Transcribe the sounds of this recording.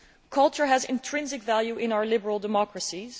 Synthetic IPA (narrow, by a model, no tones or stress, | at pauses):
kʰʌlˠt͡ʃə˞ɦæzɪ̰̃ntʰɹ̥ɪ̃nzɪkvælˠjuʔɪ̃naʊə˞lɪbəɹl̩ˠdəmɑkɹəsiz̥